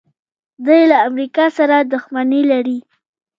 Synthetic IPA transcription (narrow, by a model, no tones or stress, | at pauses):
d̪ajlaːmɾikɑsaɾad̪ʊxmanelaɾi